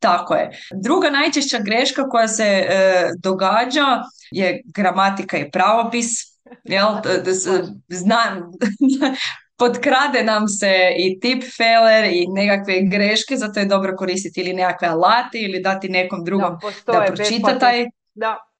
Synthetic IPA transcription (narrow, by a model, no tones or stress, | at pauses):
t̪akojed̪ɾuɡanajt͡ʃeʃt͡ɕaɡɾeʃkako̞jase̞d̪o̞ɡaːd͡ʑajeɡɾamat̪ikaipɾaʋo̞pis | jel | znam | po̞d̪kɾad̪enamseit̪ipfeleɾinekakʋe̞ɡɾeʃkezat̪ojed̪o̞bɾoko̞ɾist̪it̪iline̞kakʋealˠat̪eilid̪at̪ine̞ko̞md̪ɾuɡo̞md̪apɾot͡ʃit̪at̪aj